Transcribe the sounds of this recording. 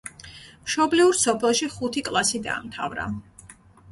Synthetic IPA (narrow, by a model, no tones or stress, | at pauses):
mʃɔbliuɾsɔpʰɛlˠʃiχut̪ʰikʼlˠasid̪a̰ːmt̪ʰa̰vɾa̰